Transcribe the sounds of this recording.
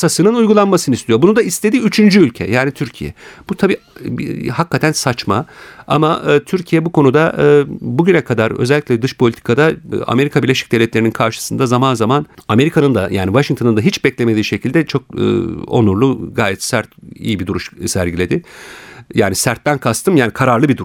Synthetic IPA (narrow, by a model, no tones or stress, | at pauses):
sasɯnɯnujɡulˠanmasɯnɯist̪ʰijo̞bunud̪aist̪ʰe̞d̪iyt͡ʃʰynd͡ʒyylʲcʰɛ̰jaːnit̪ʰyɾcʰijɛ̰b̥ut̪ʰabiː | hakːat̪ʰænsat͡ʃma̰a̰maʔt̪ʰyɾcʰijɛbukʰo̞nud̪aʔbuɟynɛkʰad̪aɾø̰zɛlʲːicʲlʲɛd̪ɯʃpʰo̞lʲit̪ʰi̥kʰad̪aa̰me̞ɾikʰabiɾlʲe̞ʃi̥c̚d̪e̞vlʲɛt̪lʲeininkʰaɾʃɯ̥sɯnd̪azamanzamaname̞ɾikʰanɯnd̪ajaːnivaʃiŋt̪ʰonɯnd̪aɦit͡ʃbɛclʲeme̞d̪iːʃe̞cʰilʲd̪ɛt͡ʃʰo̞k̚ːo̞̰nuɾlˠuɡaːjɛt̪sæɾt̪ḭjibid̪uɾuʃsæɾɟilʲe̞d̪ɪ | jaːnisæɾt̪ːænkʰast̪ʰɯmjaːnikʰaɾaɾlˠɯbid̪u